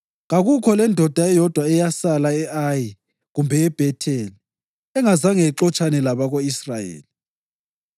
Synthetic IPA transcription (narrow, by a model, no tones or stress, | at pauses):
ɣaɣukʰɔlɛndʱɔd̥ʱaɛjɔd̥ʱwaɛjasalaɛʔaji | ɣumbʱɛɛb̥ʱɛtʰɛli | ɛŋazaŋeǃɔt͡ʃʼanɛlaβaɣoisrajḛːli